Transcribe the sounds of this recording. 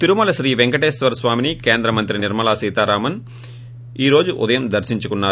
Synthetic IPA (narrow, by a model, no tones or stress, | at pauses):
t̪iɾumɐlɐsɾiːʋeŋkɐʈeːsʋɐɾsʋaːminikeːnd̪ɾɐmɐnt̪ɾinɪɾmɐlaːsiːt̪aːɾaːmɐn | iːɾo̞ːd͡ʒuʔʊ̰d̪ɐjɐmd̪ɐɾsiɲt͡ʃukunːaː